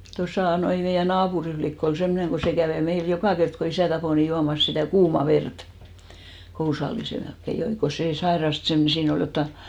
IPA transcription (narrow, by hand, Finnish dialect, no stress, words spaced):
tosɑˑ noi meijæ nɑːpuri flikː ol semːŏneŋ ɡ̊o se kæʋeˑ meil jokɑˑ kert ko isæˑ tɑpoˑ ni juɑmɑs sitæˑ kuːmɑ ʋert kousɑlːise melkːe joi ko seˑ sɑirɑst sem siːn ol jotːɑ